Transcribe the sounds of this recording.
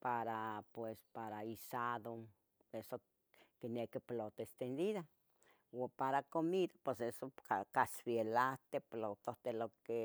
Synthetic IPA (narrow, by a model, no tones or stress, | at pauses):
paɾapwespaɾaisaðo | eso | kinekiplot̪oest̪end̪iða | wopaɾakomiðapwesesokakasfielaht̪eplot̪oht̪eloke